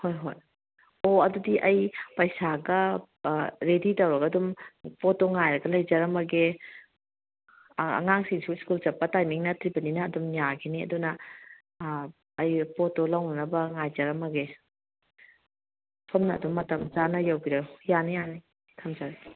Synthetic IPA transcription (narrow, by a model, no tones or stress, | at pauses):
hojɦo̰j | oɐdudiʔɐjpɐjsaɡɐ | ɾeditɐwɾɐɡɐdumpotoŋajɾɐɡɐlɐjzɐɾɐmɐɡe | ɐ̰ŋaŋsiŋsuskuld͡ʒɐpːɐtajmiŋnɐtʰɾibɐninɐːdumjaɡeniɐ̰dunɐ | jpotːolawnɐnɐbɐŋajzɐɾɐmɐɡe | pʰomnɐ̰ːdumːɐtɐmzanɐjawbiɾɐjanɐjani | kʰɐmd͡ʒɐɾɐ